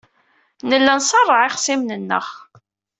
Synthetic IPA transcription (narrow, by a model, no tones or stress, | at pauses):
nəlːænsˤɑrˤːɑʕɪχsimnənːə̰ʁ